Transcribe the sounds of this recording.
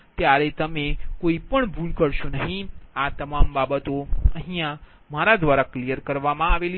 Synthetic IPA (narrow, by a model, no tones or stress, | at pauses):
t̪jaɾet̪əmekoipəɳbʱulkəɾʃonəɦĩat̪əmambabət̪oə̃ɦĩjã | maɾad̪ʋaɾaklijəɾkəɾʋamãaʋeli